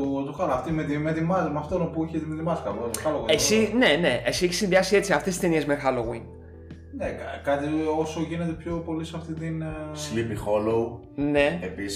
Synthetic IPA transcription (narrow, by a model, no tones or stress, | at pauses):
ut̪uxaloɐft̪imeðimeðimɐmɐft̪onopuiçet̪imeðimɐskɐvot̪oxɐloɣessine̞ne̞esieçesinðiɐsie̞t͡siɐft̪est̪i̥st̪e̞nie̞zmexɐloɣwin | nekkɐt̪iosoʝine̞t̪e̞pço̞po̞liseɐft̪it̪inslipixo̞low | ne̞epis